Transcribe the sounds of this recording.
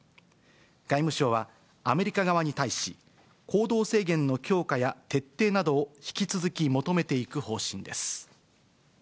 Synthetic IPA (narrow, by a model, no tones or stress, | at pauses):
ɡ̥aimɯ̟ɕo̞ːβa | ame̞ɾʲikaɡaβaɲ̟it̪aiɕi | kʰo̞ːd̪o̞ːse̞ːɡẽ̞nːo̞kʲo̞ːkajat̪e̞t̪ːe̞ːnad̪o̞ːçi̥kʲit͡sɨzɨkʲimo̞t̪o̞me̞t̪e̞ikɯ̟ho̞ːɕĩnd̪e̞sɨ̥